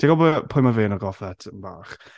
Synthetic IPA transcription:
d̥ʰiɡɔbɔpʰʊjmaveːnɔɡɔfɛtʰənbaːχ

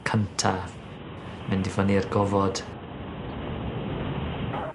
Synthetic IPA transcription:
kʰəntʰa | mɛndɪvɔniərɡɔvɔd̥

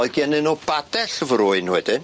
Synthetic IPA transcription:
ɔɨɡjɛnɨnob̥adɛɬəvrʊɨnwɛdɨn

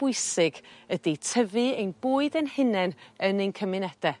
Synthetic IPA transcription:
b̥ʊɨsɪɡ̥əditʰəvɨejnb̥oːɨdənhɪnɛnənenkʰəmɪnɛd̥ɛ

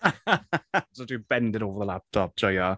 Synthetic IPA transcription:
sodib̥ɛndɪdoːvəðəlap̚tʰɔp̚d͡ʒ̥ɔjɔ

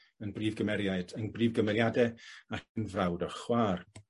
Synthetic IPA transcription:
ənbriːvɡəmɛɾjaɨdənbriːvɡəmɛljadɛakənvrawdɔrχwaːr

